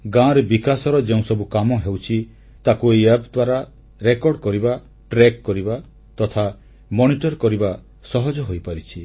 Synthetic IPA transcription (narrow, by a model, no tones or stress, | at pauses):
ɡãɾbikasɔɾɔd͡ʒeũsɔbukamɔɦewt͡ʃʰi | t̪akuejapd̪waɾa | ɾekɔɾɖkɔɾiba | ʈɾekːɔɾiba | t̪ɔt̪ʰa | mɔñiʈɔɾkɔɾiba | sɔɦɔd͡ʒɔɦojpaɾit͡ʃʰi